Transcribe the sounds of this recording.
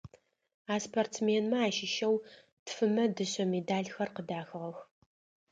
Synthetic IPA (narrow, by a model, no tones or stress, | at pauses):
aːspʰɐrt͡smeːnmɐaːʃɪʃɐw | tfɨmɐdɨɕʼɐmeːdaːɮxɐrqədaːxɨʁɐx